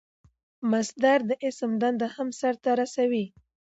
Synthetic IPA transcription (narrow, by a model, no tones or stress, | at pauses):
masd̪aɾd̪əʔɪsmd̪and̪ahamsaɾt̪aɾasawi